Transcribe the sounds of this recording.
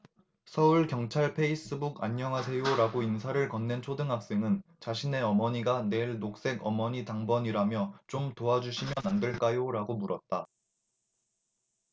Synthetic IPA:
sʰʌuɭkjʌŋt͡ɕʰaɭpʰe̞is͈ɯbuɡaɲːʌŋɦasʰe̞joɾaɡoinsʰaɾɯɭkʌnːe̞nt͡ɕʰodɯŋɦak̚s͈eŋɯnt͡ɕaɕʰine̞ʌmʌɲiɡane̞ɭnok̚s͈e̞ɡʌmʌɲitaŋbʌɲiɾamjʌt͡ɕomtoad͡ʑuɕʰimjʌnandɯɭk͈ajoɾaɡomuɾʌt̚t͈a

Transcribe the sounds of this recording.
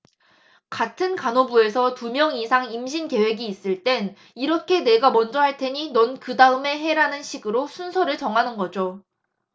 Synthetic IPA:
katʰɯnkanobue̞sʰʌtumjʌŋisʰaŋimɕʰinke̞we̞ɡiːs͈ɯɭt͈e̞n | iɾʌkʰe̞ne̞ɡamʌnd͡ʑʌhaɭtʰe̞ɲinʌnkɯdaɯme̞ɦe̞ɾanɯnɕʰiɡɯɾosʰunsʰʌɾɯɭt͡ɕʌŋɦanɯnɡʌd͡ʑo

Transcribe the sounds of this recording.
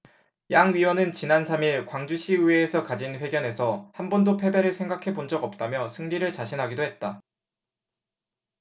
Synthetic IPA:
jaŋɥiwʌnɯnt͡ɕinansʰamiɭkwaŋd͡ʑuɕʰiuweːsʰʌkad͡ʑinɸwe̞ɡjʌne̞sʰʌhanbʌndopʰe̞beɾɯɭsʰe̞ŋɡakʰe̞pond͡ʑʌɡʌp̚t͈amjʌsʰɯŋʎiɾɯɭt͡ɕaɕʰinɦaɡidoɦe̞t̚t͈a

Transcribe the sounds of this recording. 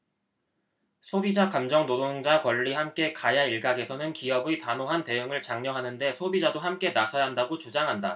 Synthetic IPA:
sʰobid͡ʑakamd͡ʑʌŋnodoŋd͡ʑakwʌɭːihamk͈e̞kajaiɭɡaɡe̞sʰʌnɯnkiʌbitanoɦante̞ɯŋɯɭt͡ɕaŋɲʌɦanɯnde̞sʰobid͡ʑadohamk͈e̞nasʰʌjaɦandaɡot͡ɕod͡ʑaŋɦanda

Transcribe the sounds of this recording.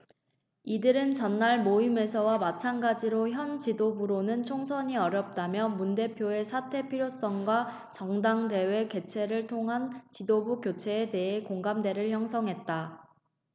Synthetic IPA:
idɯɾɯnt͡ɕʌnːaɭmoime̞sʰʌwamat͡ɕʰanɡad͡ʑiɾoçjʌnt͡ɕidobuɾonɯnt͡ɕʰoŋsʰʌɲiʌɾjʌp̚t͈amjʌmunde̞pʰjoe̞sʰatʰe̞pʰiɾjos͈ʌŋɡwa | t͡ɕʌŋdaŋde̞we̞ke̞t͡ɕʰe̞ɾɯɭtʰoŋɦant͡ɕidobukjot͡ɕʰe̞ːte̞ɦekoŋɡamde̞ɾɯɭçjʌŋsʰʌŋɦe̞t̚t͈a

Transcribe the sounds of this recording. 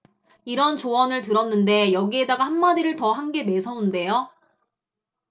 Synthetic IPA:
iɾʌnt͡ɕowʌnɯɭtɯɾʌnːɯnde̞jʌɡie̞daɡahanmadiɾɯɭtʌɦanɡe̞me̞sʰʌunde̞jo

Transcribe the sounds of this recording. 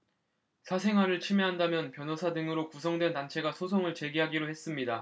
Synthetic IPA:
sʰasʰe̞ŋɦwaɾɯɭt͡ɕʰimeɦandamjʌnpjʌnosʰadɯŋɯɾokusʰʌŋdwe̞nːant͡ɕʰe̞ɡasʰosʰoŋɯɭt͡ɕe̞ɡiɦaɡiɾoɦe̞s͈ɯmɲida

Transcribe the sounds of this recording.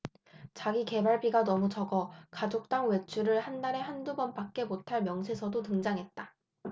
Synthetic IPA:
t͡ɕaɡike̞baɭbiɡanʌmut͡ɕʌɡʌkad͡ʑok̚t͈aŋwe̞t͡ɕʰuɾɯɭhandaɾe̞handubʌnpak̚k͈e̞motʰaɭmjʌŋsʰe̞sʰʌdotɯŋd͡ʑaŋɦe̞t̚t͈a

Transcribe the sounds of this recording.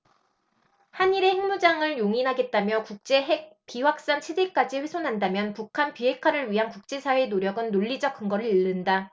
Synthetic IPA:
haniɾe̞heŋmud͡ʑaŋɯɭjoŋinɦaɡe̞t̚t͈amjʌkuk̚t͡ɕ͈e̞ɦek̚piwak̚s͈aŋt͡ɕʰedek͈ad͡ʑiɸwe̞sʰonɦandamjʌnpukʰanpiɦe̞kʰwaɾɯɭɥiɦankuk̚t͡ɕ͈e̞sʰawe̞noɾjʌɡɯnːoʎːid͡ʑʌkʰɯŋɡʌɾɯɭiɭːɯnda

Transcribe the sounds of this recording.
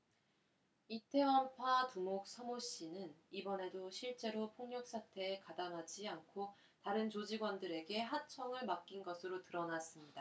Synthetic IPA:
itʰe̞wʌmpʰatumok̚s͈ʰʌmoɕ͈inɯnibʌne̞doɕʰiɭt͡ɕ͈e̞ɾopʰoŋɲʌk̚s͈ʰatʰe̞ːkadaŋɦad͡ʑiankʰo | taɾɯnt͡ɕod͡ʑiɡwʌndɯɾe̞ɡe̞ɦat͡ɕʰʌŋɯɭmak͈̚inɡʌsʰɯɾotɯɾʌnas͈ɯmɲida

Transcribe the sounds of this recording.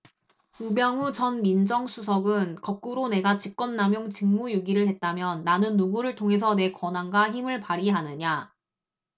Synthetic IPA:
umjʌŋut͡ɕʌnmind͡ʑʌŋsʰusʰʌɡɯnkʌk̚k͈uɾone̞ɡat͡ɕik̚k͈wʌnnamjoŋt͡ɕɯŋmujuɡiɾɯɭhet̚t͈amjʌnːanɯnːuɡuɾɯɭtʰoŋɦe̞s̬ʰʌne̞kwʌnɦanɡaçimɯɭpaɾiɦanɯɲa

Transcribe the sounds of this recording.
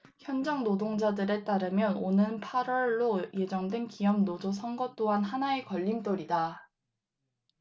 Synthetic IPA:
çjʌnd͡ʑʌŋnodoŋd͡ʑadɯɾe̞t͈aɾɯmjʌnonɯnpʰaɾwʌɭːoje̞d͡ʑʌŋdwe̞nkijʌmnod͡ʑos̬ʰʌŋɡʌt͈oɦanɦanae̞kʌʎːint͈oɾida

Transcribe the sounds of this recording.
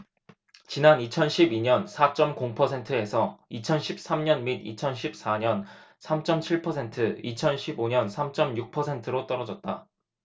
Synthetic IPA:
t͡ɕinanit͡ɕʰʌnɕʰibiɲʌnsʰat͡ɕ͈ʌmkoŋpʰʌsʰe̞ntʰɯe̞sʰʌit͡ɕʰʌnɕʰip̚s͈amɲʌnmidḭt͡ɕʰʌnɕʰip̚s͈aɲʌnsʰamt͡ɕ͈ʌmt͡ɕʰiɭpʰʌsʰe̞ntʰɯit͡ɕʰʌnɕʰiboɲʌnsʰamt͡ɕ͈ʌmjuk̚pʰʌsʰe̞ntʰɯɾot͈ʌɾʌd͡ʑʌt̚t͈a

